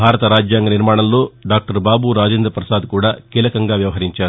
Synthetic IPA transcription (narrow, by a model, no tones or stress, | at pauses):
bʱaːɾɐt̪ɐɾaːd͡ʒjaːŋɡɐniɾmaːɳɐlːoːɖaːk̚ʈɐɾbaːbuɾaːd͡ʒeːnd̪ɾɐpɾɐsaːd̪kuːɽaːkɛlɐkɐŋɡaːʋjɐʋɐɦɐɾiɲt͡ʃaːɾu